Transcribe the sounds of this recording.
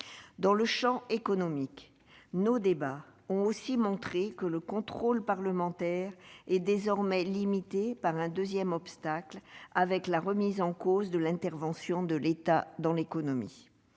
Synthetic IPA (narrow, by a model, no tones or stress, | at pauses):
d̪ɑ̃ləʃɑ̃ekɔnɔmik | nod̪ebaɔ̃osimɔ̃t̪χekələkɔ̃t̪χolpaʁləmɑ̃t̪ɛʁɛd̪ezɔʁmɛlimit̪epaʁɛ̃d̪øzjɛmɔpst̪aklavɛklaʁəmizɑ̃kozd̪əlɛ̃t̪ɛʁvɑ̃sjɔ̃d̪əlet̪ad̪ɑ̃lekɔnɔmḭ